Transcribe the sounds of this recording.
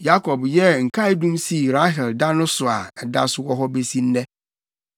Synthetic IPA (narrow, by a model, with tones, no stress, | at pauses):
ja˦kʰɔ˨bjɛ˦ŋ̩˨kʰa˦ɪ˦dũ˦msi˦˨ɾa˦ɦɛ˨lda˦nʊ̃˦sʊ˨a˨ɛ˨da̰˦sʊ˦wɔ˦ɦɔ˦be˦si˦n̩˦nɛ̃˦